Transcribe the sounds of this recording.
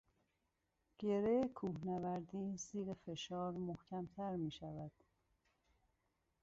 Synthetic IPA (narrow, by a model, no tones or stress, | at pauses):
ɟ̥eɾejkʰuːhnævæɾd̪iːsiːɣefe̞ʃɒːɾmohcʰæmt̪ʰæɾmiːʃævæd̪̥